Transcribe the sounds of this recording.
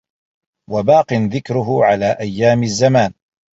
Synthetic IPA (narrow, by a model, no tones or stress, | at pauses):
wabaːqɨnðɪkɾʊɦʊʕalaːʔajːaːmazːamaːn